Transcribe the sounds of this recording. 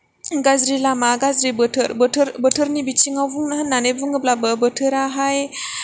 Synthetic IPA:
ɡazɾilamaɡazɾibɯtʰɯɾbətʰɯɾbətʰɯɾnibit͡ʃʰiŋawvuŋnaɦanːanevuŋɯblabəbətʰɯɾaɦaj

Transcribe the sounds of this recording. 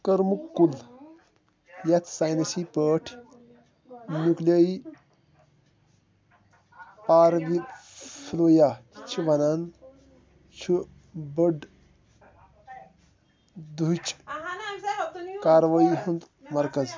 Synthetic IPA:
kəɾmukːul | jɐt̪ʰsaːjnɐsipəːʈʰ | nukləi | paːɾʋifʰloːjat͡ʃʰiʋɐnan | t͡ʃʰu | bəɖ | d̪ut͡ʃʰ | kaːɾʋaːiɦund̪ | mɐɾkɐz

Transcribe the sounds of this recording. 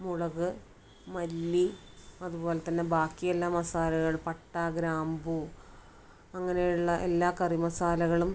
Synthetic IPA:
muɻɐɣɨ | mɐlːi | ɐðubo̞ːlet̪ɐnːe̞baːkːijelːaːmɐsaːlɐɣɐɭpɐʈːaːɡɾaːmbu | ɐŋːɐnejuɭːɐʔe̞lːaːkɐrimɐsaːlɐɣɐɭum

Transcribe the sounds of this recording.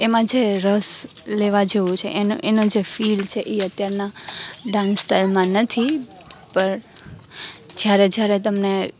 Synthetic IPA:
emãd͡ʒeɾəs | leʋad͡ʒeʋũt͡ʃʰḛʔnoʔenod͡ʒefilt͡ʃʰeʔeət̪jaɾnaɖãnsːʈajlmãnət̪ʰi | pəɾ | d͡ʒjaɾed͡ʒjaɾet̪əmne

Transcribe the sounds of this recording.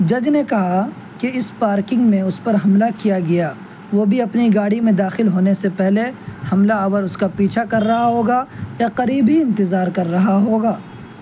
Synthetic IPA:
d͡ʒɐd͡ʒnekɐɦa | keɪspaːɾkɪ̃ŋɡmẽʊspɐɾɦɐmlakijaɡɐjaː | ʋoːbʱiɐpniɡaːɽimẽd̪aːxɪlɦoːnesepɛɦlehɐmlaɐʋəɾʊskapiːt͡ʃʰakɐɾːɐɦaɦoːɡajaqɐɾiːbiɪ̃nt̪ɪzaːɾkɐɾːɐɦaɦoːɡaː

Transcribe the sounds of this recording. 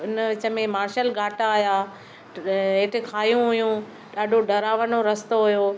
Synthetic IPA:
ɪnʋɪt͡ɕə̆mẽmaːɾʃəlɡʱaːʈaːja | ɦeːʈ̪ekʰaːjũɦʊjũ | ɗaːɖʱoɖɐɾaːʋənoɾɐst̪oɦʊjoː

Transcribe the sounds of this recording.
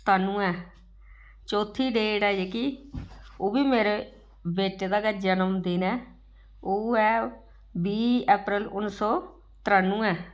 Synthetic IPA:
t̪ʰaːnũːɛː | t͡ʃoːt̪ʰːiːɖeːɖɛːeːkiː | oːbiːmeːɾeː | beːʈeːd̪aːɡəd͡ʒənəmd̪ɪnɛː | oːɛː | biːɛːpɾɪlʊnsɔː | t̪ɪɾaːnːũːɛː

